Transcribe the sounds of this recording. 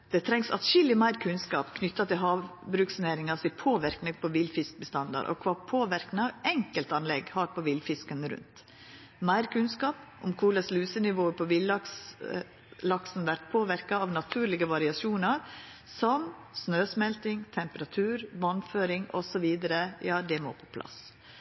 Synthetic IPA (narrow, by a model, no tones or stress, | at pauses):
d̪̥ɛt̪ʰɾɛŋsɑ̰t̪ʃɪlːɪmæɪɾkʰʉnskɑːpkʰnʏt̪ːɑt̪ʰɪlɦɑːʋbɾʉːksneːɾɪŋɑsɪpʰoːʋɪɾknəpʰɔʋɪlfɪsk̚bəst̪ɑnd̪ɑ̰ɾʔɔ̰kʰʋɑːpʰoːʋɪɾknəɑʋɛŋkəlt̪ɑnlɛɡhɑːɾpʰɔʋɪlfɪskənəɾʉ̰nt̪ | mæɪɾkʰʉnskɑːpʔʊmkʰuːlɑslʉːsənɪʋoːpʰɔʋɪlːɑks | lɑksn̩ʋæɾt̪̚pʰoːʋɪɾkɑɑʋnɑt̪ʰʉːɾlɪɡəʋɑɾɪɑsuːnɑɾ | sɔmsnøːsmɛlt̪ɪŋt̪ʰɛmpəɾɑt̪ʰʉːɾʋɑnføːɾɪŋɔ̰sɔʋiːd̪əɾəjɑːd̪ɛmo̰ːpʰɔ̥pʰlɑ̰s